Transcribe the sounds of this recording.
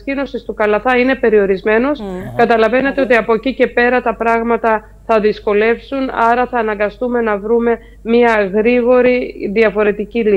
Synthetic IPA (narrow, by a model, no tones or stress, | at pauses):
cino̞sist̪ukɐlɐθɐine̞pe̞ɾio̞ɾizme̞no̞skɐt̪ɐlɐve̞ne̞t̪e̞o̞t̪iɐpo̞cice̞pe̞ɾɐt̪ɐpɾɐɣmɐt̪ɐ | θɐðisko̞le̞fsunɐɾɐθɐːnɐŋɡɐst̪ume̞nɐvɾume̞ | miɐɣɾiɣo̞ɾiðiɐfo̞ɾe̞t̪icili